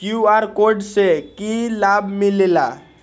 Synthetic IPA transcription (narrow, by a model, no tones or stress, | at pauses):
kjuaɾkoɾɖsekilabmilela